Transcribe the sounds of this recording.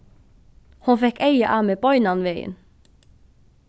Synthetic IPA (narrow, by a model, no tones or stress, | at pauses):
hʊnfɛhkejaʔamɛpɔʏnanʋɛːjɪ̰n